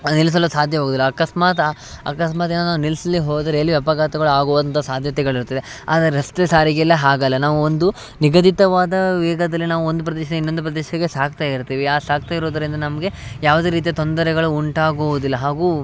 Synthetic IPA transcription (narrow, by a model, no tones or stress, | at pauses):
nils̬ɐlːusaːd̪ʱjɐɦoːɡud̪ilːɐːkɐsmaːt̪a | ɐ̰kɐsmaːt̪eːnɐnaːʋunilsɐliɦoːd̪ɐɾeɐlːiʋjɐpɐɡaːt̪ɐɡɐɭuaːɡoːʋd̪ɐnt̪ʰɐsaːd̪ʱjɐt̪ɛɡɐɭiɾut̪ɐd̪e | a̰ːd̪ɐɾeɾɐst̪esaːɾiɡɛlːɐɦaːɡɐlːɐnaːʋuond̪u | niɡɐd̪ʱit̪ɐʋaːd̪ɐʋɛːɡɐd̪ɐlːinaːʋuond̪up̬ɾɐd̪ɛːʃɐeinːo̞nd̪upɾɐd̪ɛːʃɐɡesaːk̚t̪aiɾt̪iːʋiaːsaːk̚t̪aiɾoːd̪ɐɾind̪ɐnɐmɐɡe̞jaːʋud̪e̞ːɾiːt̪̬ijɐt̪o̞nd̪ɐɾɛɡɐɭuuɳʈaːɡoʋud̪ilːɐɦaːɡuː